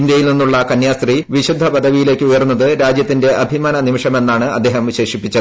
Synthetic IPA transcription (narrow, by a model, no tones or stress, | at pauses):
nd̪jɐjilninːuɭːɐkɐnjaːst̪riʋiɕud̪ʱːɐpɐd̪ɐʋijile̞ːkːɨujɐrunːɐðɨɾaːd͡ʑjɐt̪ːinde̞ʔɐbʱimaːnɐnimiʂɐme̞nːaːɳɨɐ̰d̪ːe̞ːɦɐmʋiɕe̞ːʂipːit͡ɕːɐ